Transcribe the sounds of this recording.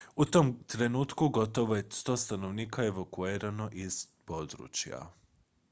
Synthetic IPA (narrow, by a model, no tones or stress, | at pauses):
ut̪omt̪ɾe̞nuːt̪kuɡo̞t̪o̞ʋojest̪o̞ːst̪ano̞ʋniːkaeʋokuiːɾano̞ʔiz̥ | po̞d̪ɾṵːt͡ɕja̰